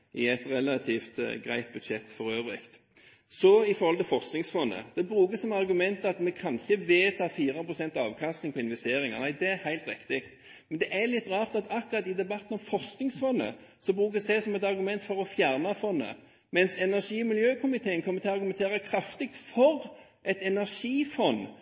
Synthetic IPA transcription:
ʔɪɛt̪ʁɛlɑt̪ʰift̪ɡɾæɪt̪̚bʉd̪ʂɛt̪ːfɔɾøːʋɾɪ̰kt̪ | sɔɪfɔɾhɔlt̪ɪlfɔʁsknɪŋsfɔnːə̰d̪̥ɛbɾʉːkəsɔmɑʁɡʉmɛnt̪ɑt̪mɛkʰɑnɪçːəʋeːt̪ʰɑːfiːɾəpʰʁʊsɛnt̪ɑɑːʋkʰɑst̪nɪŋpʰɔɪnʋɛst̪eːɾɪŋɑ̰ʁnæɪd̪ɛæɾhæɪlt̪ɾɪkt̪ɪkt̪ | mɛnd̪ɛʔæɾlɪt̪ːʁɑːʁt̪ɑt̪ɑkʊʁɑt̪ːɪd̪ɛbɑt̪ːn̩ɔmfɔʁsknɪŋsfɔnːə̰sɔbɾʉːk̬əsd̪ɛsɔmɛt̪ɑɾɡʉmɛnt̪fɔɾɔfjæʁnɑfɔnːə̰ | mɛnsɛnæʁʂiːmɪljøːkʰʊmɪt̪ʰeːənkʰɔmːəɾt̪ʰɪlɑɾɡʉmɛnt̪ʰeːʁɑkʰɾɑft̪ɪk̚t̪fɔɾ | ʔɛt̪ɛnæʁʂiːfɔnː

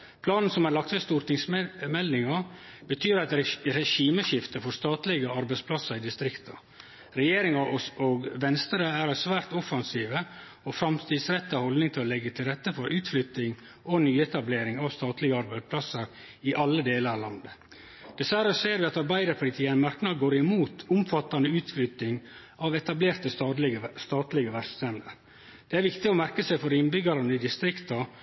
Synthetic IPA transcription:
pʰlɑːnn̩sɔmhɑɾɭɑk̚t̪ʋɛst̪uːɾʈ̪ɪŋsmɛld̪ɪŋɑ | bət̪ʰyːɾɑt̪ɾɾɛʃiːməʃɪft̪əfɔɾst̪ɑːt̪lɪɡəɑɾbæɪspʰlɑsɑɾɪd̪ɪst̪ɾɪkt̪ɑ | ɾɛjeːɾɪŋɑoːɡʋɛnst̪əɾəæɾɑsʋæːɾt̪ɔfɑnsiːʋə | ɔfɾɑmt̪ʰiːd̪sɾɛt̪ːɑhɔld̪nɪŋt̪ʰɪlɔlɛɡːət̪ʰɪlɾɛt̪ːəfɔɾʔʉːt̪flʏt̪nɪŋ | ɔnyːɛt̪ɑbleːɾɪŋɑːʋst̪ɑːt̪lɪɡəɑɾbæɪd̪spʰlɑsəɾ | ɪʔɑlːəd̪eːləɾlɑnd̪ə | d̪̥ɛsʋæɾəseːɾʋɪɑt̪ɑɾbæɪd̪əɾpʰʊlɪt̪ʰiːənmɑɾknɑɡoːɾɪmuːt̪ʊmfɑt̪ːɑnəʉːt̪flʏt̪nɪŋ | ʔɑʋɛt̪ɑbleːɾt̪əsst̪ɑːt̪lɪɡəʋæɾssɛmd̪ə̰ɾ | dd̪̥ɛæɾʋɪkt̪ɪɔmæɾkəsæɪfɔɾɪnbʏɡɑɾɑnəɪd̪ɪst̪ɾɪkt̪ɑ

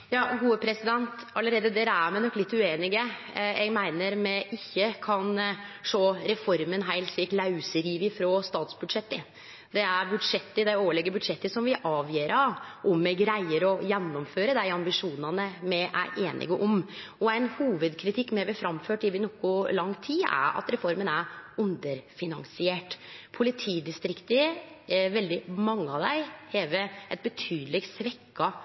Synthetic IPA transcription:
jɑːɡuːəpʰɾɛsɪd̪ɛnt̪ɑlːəɾeːd̪əd̪ɛɾæɾmɛnɔkːlɪt̪ːʉeːnɪɡəɛ̰ɡmæɪnəɾmɛɪçːəkʰɑnʂoːɾɛfɔɾmənɦæɪlt̪ʂliːklɑʉsəɾiːʋɪfɾɔst̪ɑːt̪sbʉd̪ʂɛt̪ːə | d̪ɛæɾbʉd̪ʂɛt̪ːəd̪æɪoːʋəɭɛɡːəbʉd̪ʂɛt̪ːəsɔmʋɪʔɑːʋjiːɾɑʋʔɔmːɛɡɾæɪəɾɔjɛnːɔmføːɾəd̪æɪɑmbɪʂuːnɑnəmɛʔæ̰ɾʔeːnʔɪ̰ɡəʔɔmɔæɪnhuːʋəd̪kʰɾɪt̪ʰɪkːmɛʋɪfɾɑmføːʈɪʋɪnɔkʊlɑŋːt̪ʰiːæ̰ɾɑ̰t̪ɾɛfɔɾmənæɾʉnd̪əɾfɪnɑŋsɪeːʈpʰʊlɪt̪ʰiːd̪ɪst̪ɾɪkt̪ə | ʋɛld̪ɪmɑŋːəɑʋd̪æɪhɛːʋəɛt̪̚bət̪ʰyːd̪əlɪɡsʋɛkːɑ

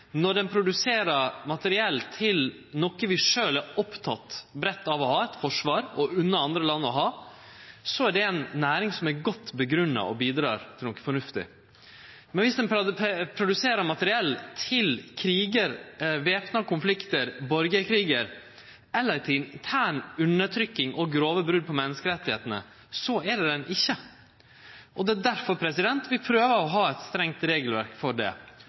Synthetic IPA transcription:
nɔɖɛnpʰɾʊd̪ʉseːɾəɾmɑt̪əɾɪɛlt̪ʰɪl | nɔkəʋɪʂøːlæɾɔpt̪ʰɑt̪bɾɛt̪ːɑʋɔhɑːɛt̪fɔʂʋɑːɾɔʉnːəɑnd̪ɾəlɑnːəɔɦɑː | sɔæɖɛɛnːæːɾɪŋsɔmæɾɡɔt̪ːbəɡɾʉnːɑ̰ʔɔbiːd̪ɾɑ̰ːɾt̪ʰɪlɔkə̥fɔɳʉft̪ɪ̰ | mɛnʋɪsd̪ɛnpʰɾʊd̪ʉseːɾəmɑt̪əɾɪɛlːt̪ʰɪlkʰɾiːɡəɾʋeːpnɑkʊnflɪkt̪əɾbɔɾɡəkʰɾiːɡəɾ | ɛlːəɾt̪ʰɪlɪnt̪ʰæːɳʉnːəʈ̪ʰɾʏkːɪŋʔɔɡɾoːʋəbɾʉd̪̚pʰɔmɛnːəskəɾɛt̪ːɪheːt̪ənə̰ | sɔæɖɛd̪ɛnʔɪçːə | ʔɔd̪ɛæd̪æɾfɔɾpʰɾɛsɪd̪ɛnt̪ʋɪlpʰɾøːʋəɔɦɑːɛt̪st̪ɾɛŋt̪ɾeːɡəlʋæɾkfɔɖɛ̰

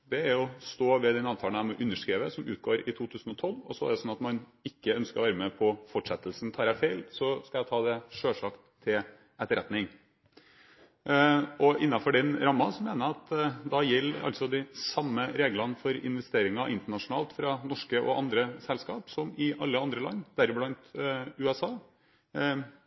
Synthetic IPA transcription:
d̪ɛæɾɔst̪oːʋɛd̪ɛnɑːʋt̪ʰɑːlnæmɛʔʉnːəʂkɾiːʋəsɔmʉ̰ːt̪̚ɡoːɾɪt̪ʰuːt̪ʰʉːsn̩ɔt̪ʰɔlɔsɔæ̰ɖəsɔnːɑt̪mɑnɪkːəœnskəɾɔʋæːɾəmɛpʰɔfɔʈʂɛt̪ːəlsn̩t̪ʰɑːɾæfeɪlsɔskɑjæɪt̪ʰɑːd̪ɛʂøːʂɑkt̪ʰːɪl | ɛt̪əɾɛt̪nɪŋ | ɔʔɪnːɑfɔɖɛnɾɑmːɑsɔmeːnəɑt̪d̪ɑjɛlːʔɑ̰lsɔd̪ɪsɑmːəɾeːɡlɑnfɔɾɪ̰nʋɛst̪eːɾɪŋɑʔɪnt̪əɳɑʂʊnɑːlt̪fɾɑnɔʂkəʔɔ̰ʔɑnd̪ɾəsɛlskɑːpsɔmɪʔɑlːəɑnd̪ɾəlɑ̰nːd̪æɾblɑnt̪ʉːɛsɑː

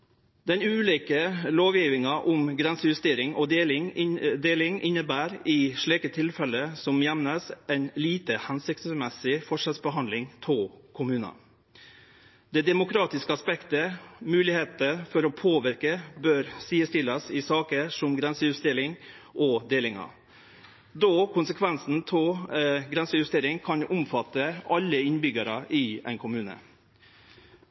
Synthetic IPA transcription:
d̪ɛnʉːliːkəloːʋjiːʋɪŋɑʔʊmɡɾɛnsəjʉst̪eːɾɪŋɔd̪eːlɪŋd̪eːlɪŋʔɪnːəbæːɾɪʂɭiːkət̪ʰɪlfɛləsɔmjɛʋnəsɛɪnliːt̪əhɛnsɪk̚t̪smɛsɪfɔʂɛlsbəɦɑnlɪŋt̪ʰɔlkʰʊmʉːnɑ̰ | d̪̥ɛːd̪ɛmʊkʰɾɑːt̪ɪskəɑspɛkt̪əmʉːlɪheːt̪əfɔɾɔpʰoːʋɪɾkəbøːɾsiːəst̪ɪlːɑsɪsɑːkəʂɔmɡɾɛnsəjʉst̪eːɾɪŋ | ʔɔd̪eːlɪŋɑ̰ | d̪oːkʰʊnsəkʰʋɛnsn̩t̪ʰɔɡɾɛnsəjʉst̪eːɾɪŋkʰɑnʊmfɑt̪ːəʔɑlːəɪnbʏɡəɾəʔɪɛ̰ɪnkʰʊmʉːnə̰

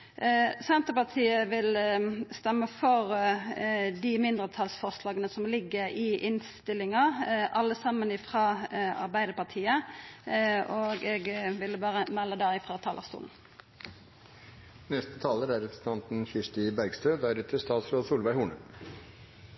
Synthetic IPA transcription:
sɛnt̪əpɑt̪ʰiːəʋɪlst̪ɛmːəfɔʁ | d̪ɪmɪnd̪ʁət̪ʰɑlsfɔʁslɑːɡənəsɔmlɪɡːəʁɪʔɪnst̪ɪlɪŋɑʔɑlːəsɑmːənɪfʁɑːɑ̰ʁbæɪd̪əpɑʁt̪ʰiːə | ʔoːɡɛɡʋɪlbɑːʁəmɛlːəd̪æɪfʁɑːt̪ʰɑːlə̰ʁst̪ṵːln̩ | nɛst̪ə̥t̪ʰɑːləɾæɾɛpɾəsn̩t̪ʰɑnt̪n̩çɪʂʈɪbæɾɡst̪øːd̪æɾʉt̪ʰəst̪ɑːt̪sɾoːd̪suːlʋæɪhuːɳə

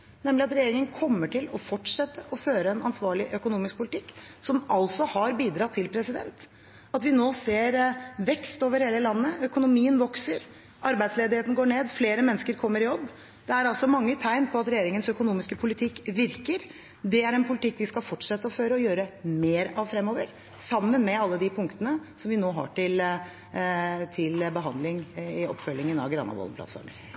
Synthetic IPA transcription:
nɛməlɪɑt̪ɾɛjeːɾɪŋənkʰɔmːəʈʰɪlɔfɔʈʂɛt̪ːəʔɔføːɾəɛnɑnsʋɑːɭɪʔœkʊnuːmɪsk̚pʰʊlɪt̪ʰɪkːsɔmɑlsɔhɑɾbiːd̪ɾɑt̪ʰːɪlpʰɾɛsɪd̪ɛ̰nt̪ | ɑt̪ʋɪnoːseːɾʋɛkst̪oːʋəɾheːləlɑnːəœkʊnʊmiːənʋɔksəɾ | ɑɾbæɪsleːd̪ɪheːt̪n̩ɡoːɳeːd̪fleːɾəmɛnːəskəɾkʰɔmːəɾɪjɔbː | d̪̥ɛæɾɑlsɔmɑŋːət̪ʰæɪnpʰɔɑt̪ɾɛjeːɾɪŋənsœkʊnuːmɪskəpʰʊlɪt̪ʰɪkːʋɪɾkəɾ | d̪ɛæɾɛnpʰʊlɪt̪ʰɪkːʋɪskɑfɔʈːʂɛt̪ːəɔføːɾəɔjøːɾəmeːɾɑʋfɾɛmːoːʋəɾ | sɑmːənmɛɑlːəd̪ɪpʰʊŋkt̪ənəsɔmʋɪnoːɦɑ̰ʈɪl | t̪ʰɪlbəɦɑnd̪lɪŋɪɔ̰pːfœlːɪŋənɑ̰ʋɡɾɑ̰nɑ̰ʋɔ̰ləplɑ̰t̪fɔ̰ɾmə̰n

